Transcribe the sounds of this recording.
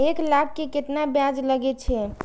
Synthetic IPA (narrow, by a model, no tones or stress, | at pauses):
eklak̚ːeket̪nabjad͡ʒləɡɛt̪t͡ʃʰɛ